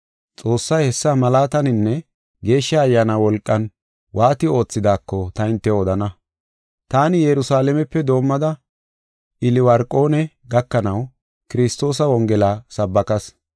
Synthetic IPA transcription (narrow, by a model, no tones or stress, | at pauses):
t͡sʼo̞ːsːɐjhɛsːɐmɐlaːt̪ɐnɪnːɛ | ɡe̞ːʃːɐːjːaːnawɔlkʼːɐn | wʔaːt̪ɪo̞ːt͡sːɪd̪aːkːɔt̪ɐɪnt̪ːɛɔd̪ɐnɐ | t̪aːnɪjɛɾʊsaːlɛmɛpːɛd̪o̞ːmːɐd̪ɐ | ʔɪlɪwɐɾkʼːo̞ːnɛ | ɡɐkːɐnɐw | kɪɾɪst̪o̞ːs̬ɐwɔŋɡɛlaːsɐbːɐkɐs